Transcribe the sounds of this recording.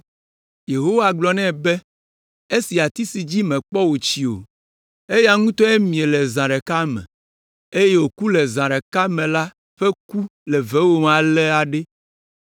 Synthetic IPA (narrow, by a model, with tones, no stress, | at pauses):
je˨ɦo˦wa˨ɡ͡blɔ˨nɛ̃˦˨bɛ˦ | e˦si˨a˨t̪i˦si˨d͡ʑi˦mɛ̃˨k͡pɔ˦wo˨t͡ɕi˨o̰˨ | e˦ja˦ŋũ˦t̪ɔ˦ɛ˦mĩ˨e˨lɛ˨zã˨ɖɛ˨ka˦mɛ̰̃˨ | e˦je˦wo˨ku˦lɛ˨zã˨ɖɛ˨ka˦mɛ̃˨la˦ | ɸɛ˦ku˦lɛ˨vɛ˦wo˦m˨ã˨lɛ˦a˨ɖe˦